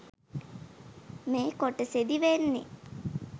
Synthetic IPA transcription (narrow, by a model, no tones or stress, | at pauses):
meːkoʈəsed̪iʋenːḛ